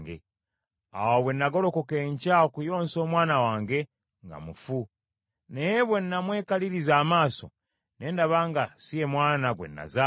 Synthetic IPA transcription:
ɡḛ | a̰woβwe̞nːaɡo̞lo̞kokeːɲcaokujo̞ːnso̞ːmwaːnawaːŋɡe̞ | ŋɡa̰mufu | nejeβwe̞nːamwe̞ːkaliɾizaːmaːso̰ | ne̞ːndaβaŋɡasie̞mwaːnaɡwḛnːa̰za

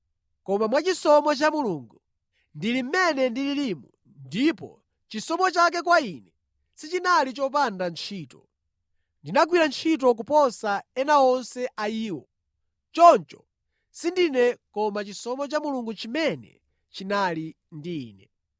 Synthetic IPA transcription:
kɔmamwat͡ʃisɔmɔt͡ʃamuluŋɡu | ndilim̩mɛnɛndililimu | ndipɔ̰ | t͡ʃisɔmɔt͡ʃak̬ɛk̬wainɛ | sit͡ʃinalit͡ʃɔp̬andant͡ʃʰiːtɔ | ndinak̬wiɾant͡ʃʰit̬ɔk̬upɔsaɛnaɔnsɛʔaiːwɔ̰ | t͡ʃɔnt͡ʃɔ | sindinɛkɔmat͡ʃisɔmɔt͡ʃamuluŋɡut͡ʃimɛnɛ̰ | t͡ʃinali | ndḭːnɛ

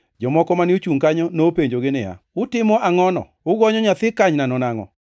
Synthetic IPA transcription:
d͡ʒɔmɔkɔmanɪot͡ʃuŋkaɲɔnopeɲd͡ʒoɡɪnɪa̰ | ʊtɪmɔʔaŋɔnɔ̰ | ʊɡɔɲɔɲat̪ɪkaɲnanɔnaŋɔ̰

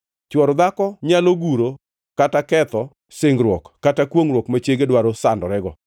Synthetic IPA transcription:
t͡ʃwɔɾɔd̪akɔɲaloɡuɾo | katakɛt̪ɔ | sɪŋɡɾwɔkːatakwoŋɾwokmat͡ʃjeɡedwaɾɔsandɔɾɛɡɔ

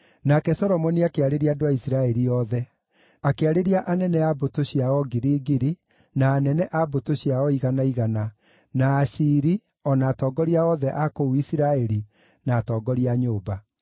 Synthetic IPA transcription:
nakɛsɔɾɔmɔniakeaɾeɾiaːdowaisiɾaɛɾiɔðɛ | akeaɾeɾiaʔanɛnɛabotoɕiaɔɡiɾiːɡiɾi | naːnɛnɛʔabotoɕijaɔiɣanaiɣana | naːʃiːɾi | ɔnaːtɔɡɔɾiaɔðɛʔakouisiɾaɛɾi | naːtɔːɡɔɾiaɲoːba

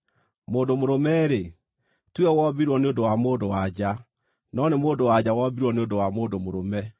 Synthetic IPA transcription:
moːndomoɾomɛɾe | twɛwɔbiɾwɔneondowamoːndowad͡ʑa | nɔnemoːndowad͡ʑawɔbiɾwɔneondowamoːdomoɾomɛ

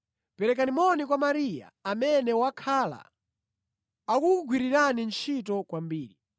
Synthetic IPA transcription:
pɛɾɛk̬animɔnikwamaɾija̰ːmɛnɛwakʰala̰ | akuɡwiɾiɾanint͡ʃʰit̬ɔkwambiːɾi

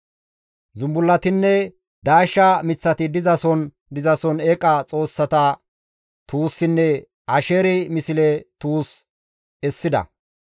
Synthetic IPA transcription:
zʊmbʊlːɐt̪ɪnːɛ | d̪aːʃːɐmɪt͡sːɐt̪ɪd̪ɪzɐsɔn | d̪ɪzɐsɔnɛːkʼɐt͡sʼo̞ːsːɐt̪ɐ | t̪uːsːɪnːɛ | ɐʃeːɾɪmɪsɪlɛt̪uːs | ɛsːɪd̪ɐ̰

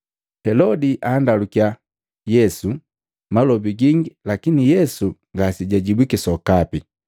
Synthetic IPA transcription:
hɛlɔdiʔaːndalukja | jɛsu | malɔbiɡiŋɡilakinijɛsuŋɡasiɟaɟibwikisɔkapi

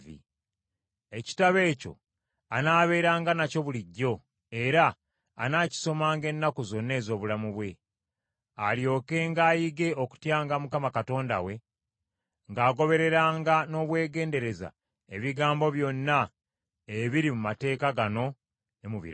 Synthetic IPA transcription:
vḭ | e̞ci̥taβe̞ːco̞̰ | anaːβe̞ːɾaːŋɡanaco̞βuliɟːo̞ | e̞ɾa̰ː | naːci̥so̞maːŋɡe̞nːakuzo̞nːe̞ːzo̞ːβulamuβwe̞ | aljo̞ːke̞ŋɡaːjiɡe̞oku̥tjaːŋɡamukamakato̞ːnda̰we̞ | ŋɡaːɡo̞βe̞ɾe̞ɾaːŋɡano̞ːβwe̞ːɡe̞ːnde̞ɾe̞za̰ | e̞βiɡaːmbo̞βjo̞nːa | eβiɾimumate̞ːkaɡano̞ | emuβḭɾ

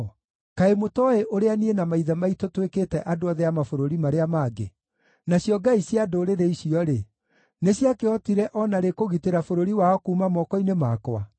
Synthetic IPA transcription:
kaemotɔeʔoɾeanienamaiðamaitotweketɛʔadoaðɛamafoɾoɾimaɾeamaːɡḛ | naɕjɔɡaisjadoɾeɾeiɕiɔɾe | neɕjakeɔtiɾɛʔɔnaɾekoɣiteɾafoɾoɾiwaɔkuːmamɔkɔinemaːkɔa

